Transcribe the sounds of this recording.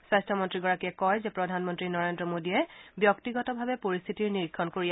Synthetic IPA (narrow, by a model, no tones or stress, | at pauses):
sajstʰɔmɔntɹiɡɔɹakiɛkɔjzɛpɹɔdʱanmɔntɹinɔɹendɹɔmodiɛbjɔktiɡɔtɔbʱabɛpoɹist̪ʰitiɹniɹikʰːɔnkoɹi